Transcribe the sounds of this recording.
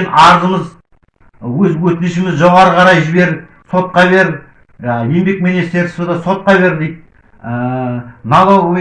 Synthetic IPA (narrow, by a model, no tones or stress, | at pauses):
nɑɾəzəməz | wɵzwɵt̪ɪnɪʃɪmɪzʒo̞ʁɑɾəqʰɑɾɑjʒɪbe̞ɾ | so̞t̪̚qɑβe̞ɾ | je̞mbe̞k̚menest̪e̞ɾsod̪ɑso̞t̪̚qɑbe̞ɾd̪ejt̪̚ | ənɑlˠo